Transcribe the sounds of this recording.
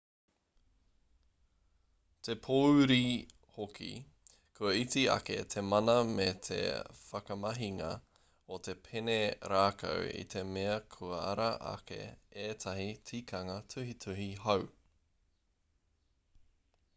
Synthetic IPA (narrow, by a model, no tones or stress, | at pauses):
t̪ʰe̞pʰowɾi | hokʰḭ | kʰuɐit͡siɐ̰kḛt̪ʰe̞mɐnɐmet̪ʰḛfɐkɐmɐɦiŋɐ̰ | ot̪ʰe̞pʰeneɾaːkʰɐ̰wḭt̪ʰe̞meɐkʰuɐɐ̰ɾɐʔɐ̰kḛeːt̪ʰɐɦit͡siːkʰɐŋɐtʰʉhitʰʉɦiɦɐw